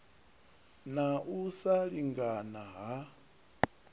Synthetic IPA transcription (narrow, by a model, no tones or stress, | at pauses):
naʔusaɺiŋɡanaɦa